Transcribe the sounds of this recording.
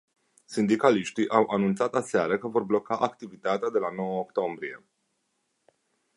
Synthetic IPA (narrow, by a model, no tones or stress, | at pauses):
sind̪ikaliʃt̪iʔawʔanunt̪sat̪aseaɾəkəvo̞rblo̞kaʔakt̪ivit̪at̪ead̪e̞lano̞wəokt̪o̞mbɾije̞